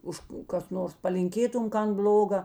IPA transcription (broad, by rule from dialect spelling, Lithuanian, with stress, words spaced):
ˈʊʃ kʊ ˈkɐs ˈnoːrs pɐlʲɪŋʲˈkʲeːtʊm ˈkɐn ˈbʲlʲoːɡɐ